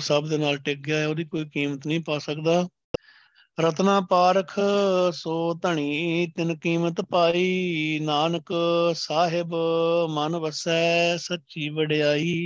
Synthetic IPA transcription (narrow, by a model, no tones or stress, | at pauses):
səbd̪eːnaːlʈek̚ɡɪjaːɛːoːd̪iːkoːiːkiːmət̪nəĩːpaːsəkd̪aː | ɾət̪nãːpaːɾəkʰsoːt̪əɳ̃iːt̪ɪnkiːmət̪paːiːnaːnəksaːɦɪbmənʋəsɛːsətːt͡ʃiːʋəɖjaːiː